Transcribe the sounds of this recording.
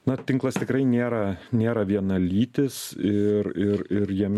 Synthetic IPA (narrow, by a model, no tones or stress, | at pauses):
nɐt̪ʲɪŋklˠɐst̪ʲɪkɾɐɪnʲeːɾɐnʲeːɾɐʋʲiɛnɐlʲiːt̪ʲɪsɪɾɪɾɪɾjiɛmʲ